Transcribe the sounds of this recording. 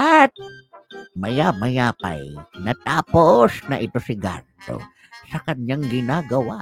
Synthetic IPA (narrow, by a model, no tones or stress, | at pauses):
ʔat̪̚ | mɐjaːmɐjaːpa̰jnɐt̪aːposnɐʔɪt̪ʊsɪɡa̰nt̪o̰ | sɐkɐɲɲaŋɡɪnaːɡɐwa